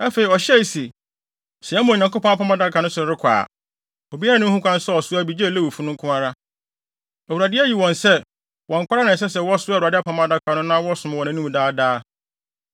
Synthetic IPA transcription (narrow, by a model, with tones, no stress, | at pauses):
a˦fe˨i˨ɔ˨ɕɛ˦i˨si˨ | sɛ˨ɛ˦mʊ̃˨ɲã˨kʊ˦pɔ̃˦a˦pʰã˨˦mã˦da˦˨kʰa˨nʊ̃˦sʊ˨ɾɾɪ˦kʷʰa̰ː˨ | o˨bi˦a˦ɾa˨nʊ̃˦hũ˦kʷʰã˦n˦sɔ˦ɔ˨sʊ˦a˦bi˨d͡ʑe˦˨le˦wfu˦nʊ̃˦ŋ̩˦kʰʊ̃˦ã˦ɾa˦ | æ˨wu˨ɾa˨dɪ˦æ˦ji˨wɔ̃˨nsɛ˦ | wɔ̃˨ŋ̩˨kʷa˦ɾa˦nã˨s̬ɛ˦sɛ˨wɔ˦sʊ˦a˦˨u˨ɾa˨dɪ˦a˦pʰã˨mã˦da˦˨kʰa˨nʊ̃˦nã˦wɔ˦sʊ̃˨m˦wɔ̃˨nã˦nũ˦m̃˨daː˦daː˦